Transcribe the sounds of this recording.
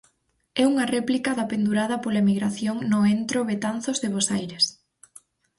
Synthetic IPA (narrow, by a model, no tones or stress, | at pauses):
ɛuŋɐrɛplikɐðɐpend̪uɾaðɐpolaemiɣɾaθjoŋnʊent̪ɾoβet̪anθozðeβosajɾes